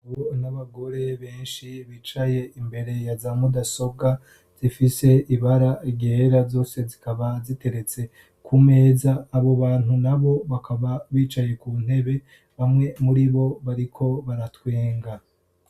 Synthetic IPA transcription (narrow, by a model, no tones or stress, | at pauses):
onaβaɡo̞ɾe̞βe̞ːnʃiβit͡ʃaje̞imbe̞ɾe̞jazamɡodaso̞b̚ɡa | z̥ifise̞iβaɾaɟeɾazo̞ːse̞zikaβazite̞ɾe̞t͡se̞ | kʰume̞ːzaːβo̞βaːn̥hunaβo̞βakʰaβaβiːt͡ʃaje̞kuːn̥he̞βe̞ | βamŋe̞muɾiβo̞βaɾikʰo̞βaɾatweːŋɡa